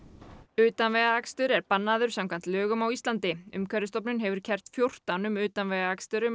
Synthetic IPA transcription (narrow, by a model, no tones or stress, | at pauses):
ʏːt̪anvɛɣaakst̪ʏɾɛɾpanːaðʏɾ̥samkʰvan̥t̪lœːɣʏmawist̪lant̪ɪʏ̰mkʰvɛɾɪst̪ɔpnʏnɦɛvʏɾ̥cʰɛr̥t̪fjowr̥t̪anʏmʏːt̪anvɛɣaakst̪ʏɾʏm